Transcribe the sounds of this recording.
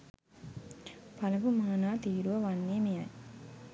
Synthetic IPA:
pɐlɐpumaːnaːt̪iːɾuʋɐʋɐnːeːmijaj

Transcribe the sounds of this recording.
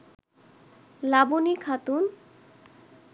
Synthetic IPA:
labunikʰat̪un

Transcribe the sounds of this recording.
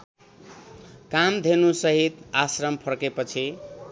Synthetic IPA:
kamd̪ʱenusʌɦit̪asrʌmpʰʌɾkepʌt͡sʰi

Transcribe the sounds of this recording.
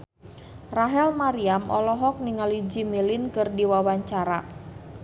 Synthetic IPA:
raɦɛlmaɾiamʔɔlɔɦɔk̚niŋalid͡ʒimilinkɨrdiwawaɲt͡ʃaɾa

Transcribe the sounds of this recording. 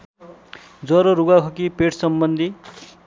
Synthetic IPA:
d͡zʌɾoɾuɡakʰʌkipeʈʰsʌmbʌnd̪ʱi

